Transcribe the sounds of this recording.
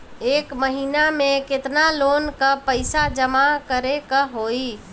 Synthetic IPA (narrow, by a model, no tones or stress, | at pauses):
eːkməɦinamẽket̪nalonkəpəɪsad͡ʒəmakəɾekəɦoi